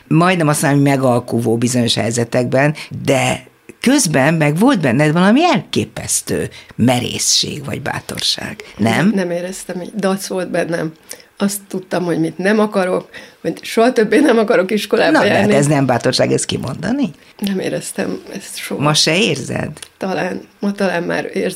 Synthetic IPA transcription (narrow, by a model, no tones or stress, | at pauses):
mɒjd̪nɛmɒsmnamːojmɛɡɒlkuvoːbizo̞ɲo̞ʃhɛjzɛt̪ɛɡbɛnd̪ɛ | kø̞zbɛnmɛɡʋo̞lt̪̚bɛnːɛd̪vɒlɒmiɛlkeːpɛ̰st̪ø̰ːmɛɾḛːsʃḛːɡvɒ̰ɟba̰ːt̪o̞̰rʃa̰ːɡ̥nɛ̰mnɛmeːɾɛst̪ɛmḭːd̪ɒt̪sʋo̞lt̪̚bɛnːɛmɒst̪ːut̪ːɒmho̞ɟmit̪nɛmɒkɒɾo̞koʃoɦɒt̪øbːeːnɛmɒkɒɾo̞kiʃko̞laːbnɒjaɛant̪ɛznɛmbaːt̪o̞rʃaːɡɛskimʔo̞nd̪ɒni | nɛmḛːɾɛst̪ɛ̰mɛ̰st̪ʃomɒʃɛeːrzɛ̰d̪t̪ɒlaːnmɒt̪ɒlaːmma̰ːɾeːr